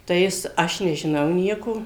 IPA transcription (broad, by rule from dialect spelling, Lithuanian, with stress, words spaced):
tɐɪ ˈjɪs ˈɐʃ nʲɛʒʲɪˈnɐʊ ˈnʲiɛkoː